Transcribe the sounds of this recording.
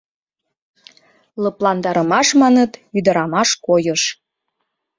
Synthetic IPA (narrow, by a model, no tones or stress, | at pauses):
lɤplɑnd̪ɑɾə̆mɑʃmɑnət̪yd̪ə̆ɾɑmɑʃkojəʃ